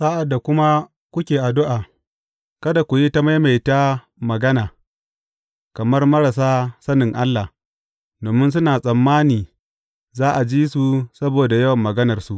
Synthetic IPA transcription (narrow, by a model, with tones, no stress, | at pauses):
saː˦ʔa˨dːa˨kʷʊ˦ma˦ | kʷʊ˦kʲeː˨ʔa˨dʊ˦ʔaː˨ | kɐ˦da˨kʷu˨ji˦ta˦ma˦jma˨jta˦ | mɐ˨ɡɐ˦naː˨ | kɐ˨mɐ˦rmɐ˦ɽa˨s̬aː˦sɐ˦nɪ˨ŋʔa˦lːa˨h | doː˨mɪ˦ns̬ʊ˦naː˨sʼɐ˨mːaː˦niː˨ | zaː˦ʔa˨d͡ʒiː˦su˨sɐ˦boː˨da˨jɐ˦wɐ˨mːɐ˨ɡɐ˦nɐ˨rsu˦ʔ